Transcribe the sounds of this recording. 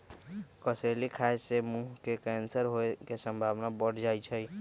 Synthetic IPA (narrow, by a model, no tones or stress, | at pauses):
kəsəlikʰasemuɦkekɛnsəɾɦoekesəmbʱaʋnabəɽ̤d͡ʒajt͡ʃʰəj